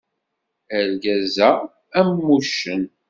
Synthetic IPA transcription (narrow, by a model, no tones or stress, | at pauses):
ælɡæzæ | æmːuʃən